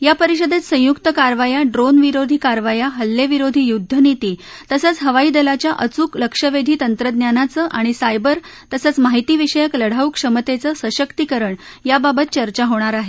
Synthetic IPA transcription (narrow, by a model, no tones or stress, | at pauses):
japəɾiɕəd̪ʱet̪sə̃jukt̪əkaɾʋajaɖɾonʋiɾod̪ʱiːkaɾʋajaɦəlːeʋiɾod̪ʱijud̪ʱːənit̪iː | t̪əsət͡sɦəʋaiːd̪əlat͡ɕjaʔət͡suːkləkʂəʋed̪ʱiːt̪ənt̪ɾəd̪nɲjanat͡səʔaɽ̃isajbəɾt̪əsət͡smaɦit̪iːʋiʂəjəkləɽ̤aukʂəmət̪et͡səsəɕəkt̪ikəɾəɳjababət̪̚t͡ɕəɾt͡ɕaɦoɽ̃aɾaɦe